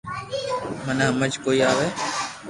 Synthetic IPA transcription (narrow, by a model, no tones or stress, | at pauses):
mənãːməd͡ʒkoːiːaːʋeː